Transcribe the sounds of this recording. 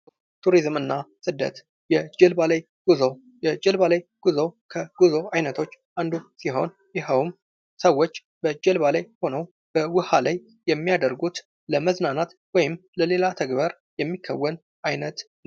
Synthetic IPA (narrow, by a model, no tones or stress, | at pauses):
t̪ʰuɾizmɨnːasɨd̪ːə̰t̪ | jɛd͡ʒɛlbalaj | ɡ̥uzo | jɛd͡ʒɛlβalajɡ̥uzokʰəɡ̥uzo̞ajnət̪ʰo̞t͡ʃː | and̪usiɦo̞̰n | jɛɦəwm | səwːot͡ʃː | bəd͡ʒɛlβalajho̞nəw | b̥əwʊhalajːɛmːijad̪əɾɡut̪ | ləməznanat̪ | wɔjɪmləle̞lat̪ʰəɡbəɾ | jɛmːikʰːəwːən | ʔajnət̪ | n